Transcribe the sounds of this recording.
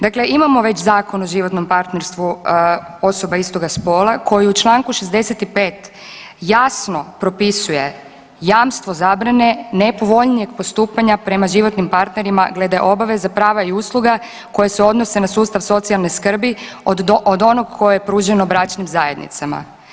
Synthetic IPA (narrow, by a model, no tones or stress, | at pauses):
d̪akle̞ʔimamo̞ʋe̞t͡ɕzaːko̞noʒiʋo̞t̪no̞mpaɾt̪ne̞ɾst̪ʋu | o̞sobaist̪o̞ɡaspo̞ːlˠako̞jiut͡ʃlˠaːŋkuʃezd̪e̞set̪ipe̞ːt̪ | jasno̞pɾo̞pisuje̞ | jaːmst̪ʋo̞zaːbɾane̞nepo̞ʋo̞ʎnije̞ɡ̚po̞st̪uːpaɲapɾe̞maʒiʋo̞t̪nimpaɾt̪ne̞ɾima̰ɡle̞d̪aeʔo̞baʋe̞zapɾaːʋaiuːslˠuɡa | ko̞jeseo̞d̪no̞se̞nasuːst̪aʋso̞t̪sialˠneskr̩bi | od̪o̞noɡ̚kʰo̞jejepɾuːʒenobɾat͡ʃnimzaje̞d̪nḭt̪sama̰